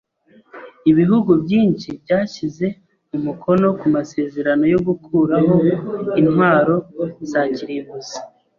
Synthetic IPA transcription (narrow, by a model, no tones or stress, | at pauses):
iβiɦuɡubɟiːnʃibɟaːçize̞ | mumukʰo̞no̞kumase̞ːze̞ɾano̞jo̞ɡukʰuːɾaɦo̞inhwaːɾo̞zaːciɾiβuzi